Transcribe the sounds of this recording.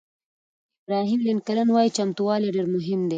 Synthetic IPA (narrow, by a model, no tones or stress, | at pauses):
ɪbɾɑɦimlinkalənwɑjit͡ʃamt̪uwɑleɖeɾmʊɦɪmd̪e